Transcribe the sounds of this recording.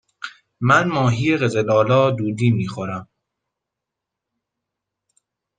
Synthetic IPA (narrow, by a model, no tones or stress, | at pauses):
mænmɒːɦiːjeɣezelɒːlɒːd̪uːd̪iːmiːxoɾæm